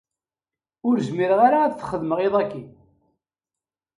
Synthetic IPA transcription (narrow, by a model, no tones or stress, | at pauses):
ʊɾzmiɾəʁaɾaːðθχəðməʁeðˤækːi